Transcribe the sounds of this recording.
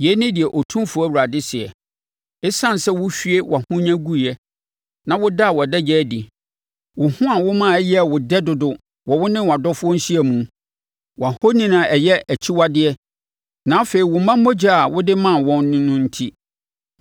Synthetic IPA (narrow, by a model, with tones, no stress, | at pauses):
jɛ˨˦nɪ̃˦dɪ˨ɛ˨ʔo˨tʰũ˦mfʊ˨˦ɔ˦˨ɾa˨dɪ˦sɪ˨ɛ˨ | ɪ˦sã˦n˨sɛ˦wʊ˦fᶣɥe˦wʔa˨hʊ̃˦ɲã˦ɡu˦˨jɛ˦ | nã˨wʊ˦da˦a˨wɔ˨dɛ˦d͡ʑɛ˦di˨ | wʊ˨hʊ̃˦a˨wʊ˦mã˦˨˦jɛ˦˨wʊ˨dɛ˦dʊ˨dʊ˨ | wɔ˨wʊ˦nɪ̃˦wa˨dɔ˦fʊ˦ɔ˦n̩˦ɕi˦ɛ˨mũ˨˦ | wa˨ho˦nĩ˦nã˨ʔɛ˨jɛ˦æ˨t͡ɕʰi˦wa˦dɪ˦ɛ˦ | nã˨˦fe˨i˨wʊ˨mã˦m˦o˦d͡ʑa˦a˨wʊ˦dɪ˦mã˦˨wɔ̃˦nːɪ̃˦nʊ̃˦n̩˦tʰi˦